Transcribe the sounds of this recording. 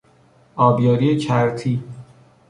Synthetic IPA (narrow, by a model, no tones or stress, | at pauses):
ɒːbjɒːɾijet͡ʃʰæɾt̪ʰiː